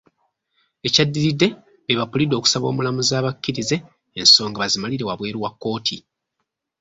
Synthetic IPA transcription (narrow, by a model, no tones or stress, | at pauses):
e̞cadːiɾidːe̞ | eβapulido̞ːku̥saβo̞ːmulamuzaːβacːiɾize̞ː | nso̞ːŋɡaβazimaliɾe̞waβwe̞ːɾuwakːo̞ːtʰi